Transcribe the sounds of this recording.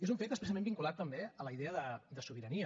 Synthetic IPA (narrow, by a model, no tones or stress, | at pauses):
ezuɱfet̪əsplɛs̬amẽmbiŋkulat̪ːəmbeələiðeəðəd̪əsuβiɾəniə